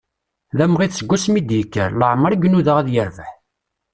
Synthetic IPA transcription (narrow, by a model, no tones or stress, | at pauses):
ðæmʁiθsəɡʷːusmid̪jəkːə̰ɾləʕməɾɡnuðəʁæðjəɾvəħ